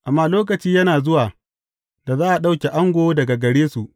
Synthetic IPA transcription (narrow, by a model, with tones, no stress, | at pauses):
ʔa˨mːaː˦loː˦k̬ɐ˨t͡ʃiː˦jɐ˦naː˨zʊ˦waː˨ | da˨zaː˦ʔa˨ɗa˦wkʲe˨ʔa˦ŋɡʷoː˦dɐ˨ɡa˨ɡɐ˨ɽeː˦su˨ʔ